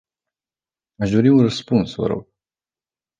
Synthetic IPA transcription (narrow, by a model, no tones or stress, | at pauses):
aʃd̪o̞ɾiunrəspunsvə̰ɾo̞̰ɡ̥